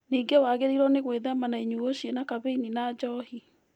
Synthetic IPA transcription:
niːŋɡewaɣeɾiɾɔneɣweðamanaiɲuoɕienakaβeininad͡ʒɔhi

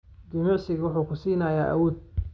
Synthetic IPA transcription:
d͡ʒɪmʊʕsɪɣɐwʊħuːkʰʊsiːnaja̰ːʔa̰wɔːd̪̚

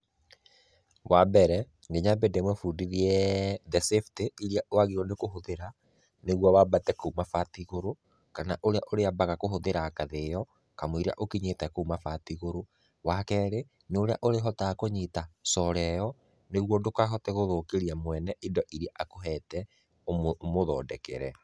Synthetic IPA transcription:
wabɛɾɛ | ŋɡeɲabedemwɛfudiɾiɛðɛsefteiɾiaʔoaɣiɾwɔnekoɦoðeɾa | neɣwɔwabatɛkoumafatiɣoɾo | kanaʔoɾeaʔoɾeabaɣakoɦoðeɾakaðejɔ | kamoiɾia̰ʔokiɲetɛkoumafatiɣoɾo | wakɛːɾe | noɾeaʔoɾeɦɔtakoɲitasɔɾɛjɔ | neɣwɔndokaɦɔtɛɣoðokeɾiamwɛnɛʔindɔʔiɾiaʔakoɦɛtɛ | moðɔ̰ːdɛkɛ̰ɾɛ

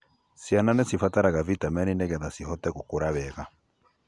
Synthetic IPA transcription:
sjananesifataɾaɣavitamɛninɛɣɛðasiɦɔtɛɣokoɾaβɛɣa

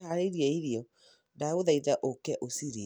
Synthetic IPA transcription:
aɾeɾiɛiɾiɔ | dauðaiðaʔokɛʔosiɾi

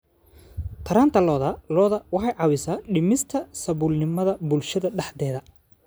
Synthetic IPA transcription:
t̪ʰɐɾaːnt̪ʰɐlɔːðɐlɔːðɐwɑħɑjʕɑwɪsaːɖɪmɪst̪ʰɐsɐβʊlnɪmɐðɐbʊlʃɐðɐɖɑħd̪ɛːðɐ

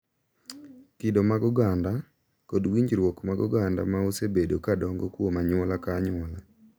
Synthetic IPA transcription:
kɪdomaɡɔɡanda | kɔdwiɲd͡ʒɾwɔkmaɡɔ̰ɡanda̰maosebedokadɔŋɡɔkwomaɲɔlakaɲɔla

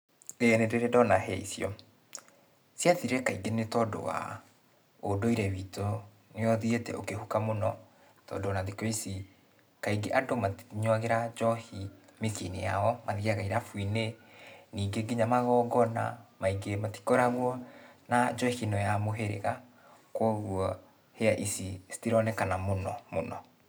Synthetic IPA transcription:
eɛnedeɾɛdɔnahɛḭsjɔ̰ | sjaðiɾeɾɛkaiɡenetɔdo̰wa̰ | odoiɾɛβito | neɔðietɛ̰okehukamonɔ | tɔ̰dowanaðikoisi | kaiɡeʔadomaɲwaɣeɾad͡ʒɔhimesinijaɔmaðiaɣaiɾafwineniːɡeɡiɲamaɣɔɡɔna̰maiɡemati̥kɔɾaɣwɔnad͡ʒɔhinɔjamoɦeɾḛɣa | kwɔɣwɔ | heaʔisistiɾɔnɛkanamonɔmonɔ

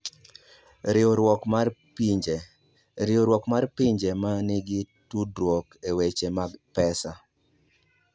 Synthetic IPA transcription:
ɾɪɔɾwɔkapd͡ʒ | ɾɪoɾwɔkmarpiɲd͡ʒemanɪɡɪ | tudɾwɔkewet͡ʃemaɡpɛsa

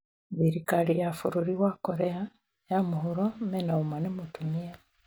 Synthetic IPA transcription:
βiɾikalijafṵɾuɾiwakoɾea | jamuɦuɾomenaumanemutumija

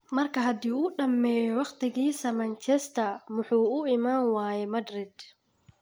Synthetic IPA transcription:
mɐrkʰɐɦɐd̪iːuːɗɐmːɛːjɔwɑqt̪ʰɪɣiːsɐmɐnt͡ʃʰɛst̪ʰɐmʊħuːʊɪmaːnwaːjɛmɐd̪rɪd̪

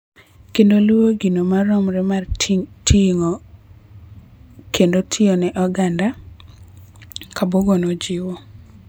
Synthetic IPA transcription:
kendoluwoɡinomaɾɔmɾɛmartʰiŋo | kendotʰiɔnɛʔɔɡanda | kaboɡonod͡ʒɪwo

